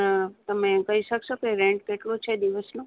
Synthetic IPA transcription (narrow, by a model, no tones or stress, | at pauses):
ət̪əmẽkəɦiʃəksokeɾẽɳʈ̚keʈlot͡ʃʰed̪iʋəsnõ